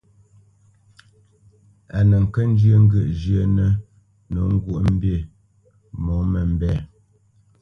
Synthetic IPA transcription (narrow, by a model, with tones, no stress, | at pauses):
a˨nə˨ŋ̩˨kə˦n̩˦d͡ʒjə˦˨ŋ̩˦ɡə˦˨ʔd͡ʒjə˦nə˦ | no˨˦ŋ̩˦ɡu˦˨ʔm̩˦be˦˨ | mɔ˨˦mə˨m̩˦bɛ˦˨